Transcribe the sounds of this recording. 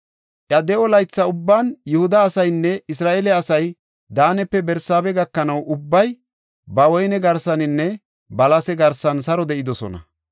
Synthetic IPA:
ʔjɐd̪ɛʔɔlɐjt͡sːɐʊbːaːnjʊhʊd̪ɐːsɐjnːɛɪs̬ɾaːʔeːlɛɐsɐj | d̪aːnɛpːɛbɛɾsaːbɛɡɐkːɐnɐwʔʊbːɐj | bɐwɔjnɛɡɐɾsɐnɪnːɛ | bɐlɐsɛɡɐɾsɐnsɐɾɔd̪ɛʔɪd̪ɔsɔ̰nɐ̰

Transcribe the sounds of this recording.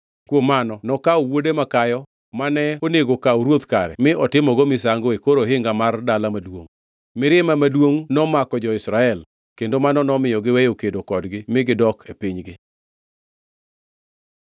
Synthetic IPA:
kwomanɔnɔkaowodemakajɔ | manɛoneɡokauɾwot̪kaɾɛ̰mɪʔɔtɪmɔɡomɪs̬aŋɡoekoɾoɦɪŋɡamardalamadwoŋ | mɪɾɪmamadwoŋnɔmakɔd͡ʒɔɪsɾaɛl | kendomanɔnɔmɪjɔɡɪwɛjokedokɔdɡɪmɪɡɪdɔkʰepiɲɡɪ

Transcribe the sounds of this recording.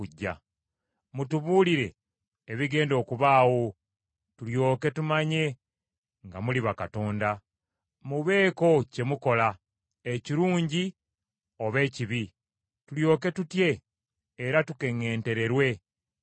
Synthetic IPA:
uɟːa̰ | mutuβuliɾe̞ː | βiɡe̞ːndo̞ːkuβaːwo̞ | tuljo̞ːke̞tumaɲe̞ | ŋɡamuliβakato̞ːnda | muβe̞ːko̞ce̞muko̞la | eciɾuːɲɟi | o̞βe̞ːciβi | tuljo̞ːke̞tutje̞ː | ɾatuke̞ŋe̞ːnte̞ɾe̞ɾwe̞

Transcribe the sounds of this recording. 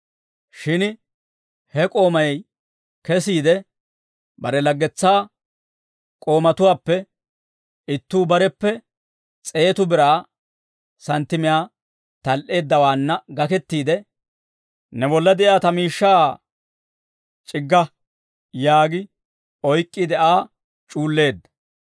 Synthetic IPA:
ʃɪn | hɛkʼo̞ːmɐjɛj | kɛsiːd̪ɛ | bɐɾɛlɐɡːɛt͡sːaː | kʼo̞ːmɐt̪ʊwaːpːɛ | ɪt̪ːuːbɐɾɛpːɛ | t͡sʼe̞ːt̪ʊbɪɾaː | sɐnt̪ːɪmɪjaː | t̪ɐlʔe̞ːd̪ːɐwaːnːɐɡɐkɛt̪ːiːd̪ɛ | nɛbɔlːɐd̪ɛʔjaːt̪ɐmiːʃːaː | t͡ʃʼɪɡːɐ | jaːɡɪ | ɔjkʼːid̪ɛʔaː | t͡ʃʼuːlːe̞ːd̪ːɐ̥

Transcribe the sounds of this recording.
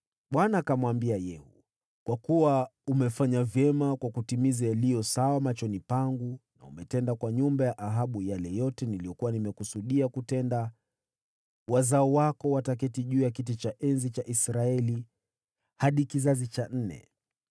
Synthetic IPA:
ɓwanakamwambiajɛhṵ | kwakuwaumɛfaɲavjɛmakwakutimizajalijɔsawamat͡ʃɔnipaŋɡuna̰ṵmɛtɛndakwaɲumbajaʔaɦaɓujalɛjɔtɛnilijɔkuwanimɛkusuɗiakutɛnda | wazaɔwakɔwatak̬ɛtiʄuːjak̬it̬it͡ʃaʔɛnzit͡ʃaʔisɾaɛli | haɗikizazit͡ʃan̩nɛ̰

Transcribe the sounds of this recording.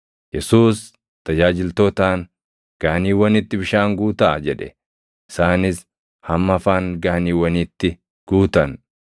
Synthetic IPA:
jɛsuːs | t̪ɐd͡ʒaːd͡ʒɪlt̪oːt̪aːŋ | ɡ̥aːniːwɐnɪt̪ːɪbɪʃaːŋɡuːt̪ad͡ʒɛᶑɛ̰ | ʔɪsaːnɪs | hɐmːɐfaːŋɡaːniːwɐnit̪ːɪ | ɡ̥uːt̪ɐn

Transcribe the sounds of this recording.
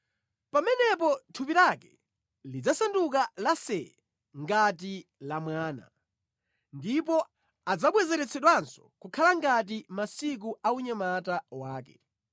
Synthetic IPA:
pamɛnɛp̬ɔtʰupilakɛ | lid͡zasanduk̬alasɛ | ŋɡat̬ilamwaːna̰ | ndip̬ɔ | ad͡zaɓwɛzɛɾɛt͡sʰɛɗwansɔ̥kukʰalaŋɡat̬imasik̬uauɲamatawaːkɛ̥

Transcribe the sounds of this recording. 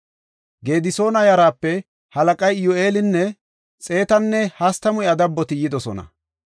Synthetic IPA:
ɡe̞ːd̪ɪso̞ːnɐjɐɾaːpːɛ | hɐlɐkʼɐjɪjɔe̞ːlɪnːɛ | t͡sʼe̞ːt̪ɐnːɛhɐst̪ɐmʊjɐd̪ɐbːɔt̪ɪjɪd̪ɔsɔnɐ̰

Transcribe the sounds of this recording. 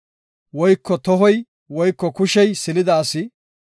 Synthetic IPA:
wɔjkːɔt̪ɔɦɔj | wɔjkːɔkʊʃɛjsɪlɪd̪aːsɪ

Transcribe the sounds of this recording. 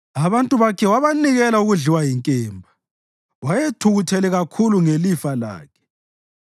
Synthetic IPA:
aβantʼuβakʰɛwaβaniɣɛlauɣuɮiwajiŋkʼɛːmbʱa | wajetʰuɣutʰɛlɛɣakʰuluŋelifala̰ːkʰɛ̥

